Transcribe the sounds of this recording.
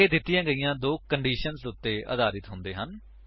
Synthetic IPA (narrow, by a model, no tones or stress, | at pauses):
eːd̪ɪt̪ːɪjãːɡəijãːd̪oːkəɳɖiːʃənsʊt̪ːeːʔə̰d̪aːɾɪt̪ɦʊ̃nd̪eːɦən